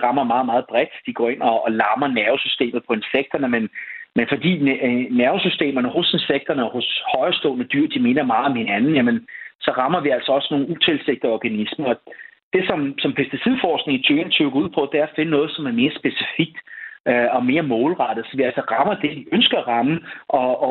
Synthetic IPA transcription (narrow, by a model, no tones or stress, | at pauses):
ʁɑ̈mɐmɑ̈ːðˠmɑ̈ːð̞̩ˠb̥ʁɛd̥d̥iɡ̥ɒ̰ːe̝n̰ɒːlɑ̈mɐnæɐʊsysd̥e̝̰ːmð̞̩ˠpʰɒ̽e̝nseɡ̥̚d̥ɐnəmenmenfɒ̽d̥ḭːnæɐʊsysd̥e̝̰ːmɐnəho̝senseɡ̥̚d̥ɐnəɒ̽hoshɒ̽ɪɐsd̥ɔ̰ːnəd̥yɐ̰d̥ime̝nɐmɑ̈ːð̩ˠɒ̽mhe̝nænn̩jæmənsɒ̽ʁɑ̈mɐʋiæl̰sɐɒ̽sno̝ːn̩ut͡sʰe̝lseɡ̥̚d̥əɒɡ̥ænismɐɒ̽d̥e̝sɒ̽msɒ̽mpʰesd̥isið̰ˠfɒːsɡ̥ne̝ŋit͡sʰøːɐn̩t͡sʰøɡ̥ɐuð̰ˠpʰɒ̽d̥eæɐfe̝nənɔ̽ːð̞̩ˠsɒ̽mæɐme̝ːɐsb̥e̝si̥fiɡ̥̚d̥øɒ̽me̝ːɐmɔ̽ːlʁɑd̥ð̩ˠsɒ̽ʋiæl̰sɐʁɑ̈mɐd̥e̝ʋiʔønsɡ̥ɐæʁɑ̈məʔɒ̽